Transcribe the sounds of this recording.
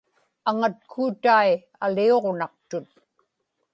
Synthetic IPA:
aŋat̪̚kʰuːt̪ai | alio̞ʁnɑq̚t̪ʊt̪̚

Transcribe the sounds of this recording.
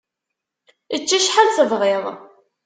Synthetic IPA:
ət͡ʃːæʃħalt͡səvʁˤeðˤ

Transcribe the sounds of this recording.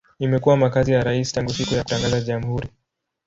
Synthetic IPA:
imɛkuwamakazijaɾaisi̥taŋɡusikujaku̥taŋɡazaʄamuhuɾi

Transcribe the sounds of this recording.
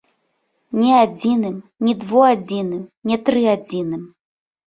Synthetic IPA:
nʲɛad͡zʲinɨmnʲɛd̪vɔad͡zʲinɨmnʲɛt̪ɾɨad͡zʲinɨm

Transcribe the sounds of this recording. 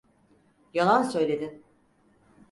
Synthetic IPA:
jalˠansø̞jlʲe̞d̪ɪ

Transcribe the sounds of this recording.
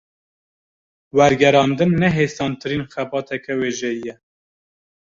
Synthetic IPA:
wɛɾɡɛɾɑːnd̪ɨnːɛɦeːsɑːnt̪ɨɾiːnxɛbɑːt̪ʰɛkɛweːʒɛjijɛ

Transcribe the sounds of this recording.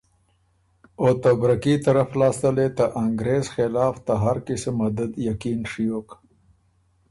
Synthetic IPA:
ot̪abɾakit̪aɾaflɑːst̪əlet̪aʔaŋɡɾeːzxɪlɑːft̪aɦaɾkisemad̪ad̪jakinʂijok

